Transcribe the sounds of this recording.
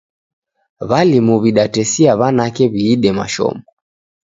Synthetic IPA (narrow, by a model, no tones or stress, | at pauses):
βalimuβiɗatɛsiaβanakɛβiːɗɛma̰ʃɔ̰mbɔ